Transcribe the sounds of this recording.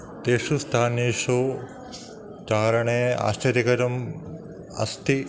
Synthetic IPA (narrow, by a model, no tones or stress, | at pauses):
t̪eːʂust̪ʰaːneːʂo | t͡ʃaːɾɐɳea̰ːst͡ʃɐɾjikɐɾɐm | ɐ̰st̪i